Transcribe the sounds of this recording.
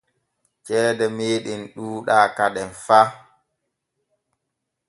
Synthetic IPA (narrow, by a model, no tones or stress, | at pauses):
t͡ʃɛːdɛmeːɗinɗuːɗaːkaɗɛnfa